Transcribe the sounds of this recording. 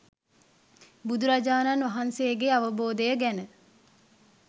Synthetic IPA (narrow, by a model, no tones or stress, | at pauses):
bud̪uɾɐd͡ʒaːnɐnʋɐɦansejəɡeɐʋəboːd̪əjəɡænə